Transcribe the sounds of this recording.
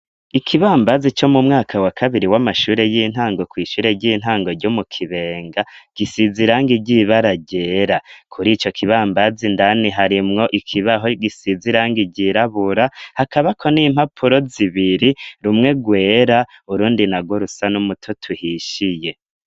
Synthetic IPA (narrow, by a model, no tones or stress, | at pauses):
ikʰiβaːmbazit͡ʃo̞mumŋaːkʰawakʰaβiɾiwamaʃuːɾe̞jiːn̥haːŋɡo̞kwiːʃuːɾe̞ɟiːn̥haːŋɡo̞ɾɟomukʰiβe̞ːŋɡaɡ̥isiziɾaːŋɡiɟiβaɾaɟe̞ːɾakʰuɾiːt͡ʃo̞kʰiβaːmbazindaniɦaɾimŋo̞ʔikʰiβaɦoɡisiziɾaːŋɡiɟiɾaβuɾahakʰaβakʰo̞niːm̥hapʰuɾo̞ziβiɾiɾumŋe̞ɡwe̞ːɾa | uɾuːndinaɡwoɾusanumutʰotʰuhiʃije̞